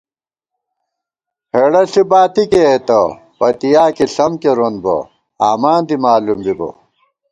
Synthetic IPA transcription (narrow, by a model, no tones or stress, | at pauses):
heɽɐɬibaːt̪ikeet̪ɐ | pɐt̪ijaːkiɬɐmkeɾonbɐ̰ | aːmaːnd̪imaːlumbibo̰